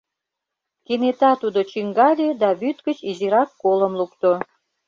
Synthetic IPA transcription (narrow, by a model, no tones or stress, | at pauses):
kenet̪ɑt̪ud̪ot͡ɕyŋɡɑlʲed̪ɑβyt̪ɡət͡ɕiziɾɑkːoləmlukt̪o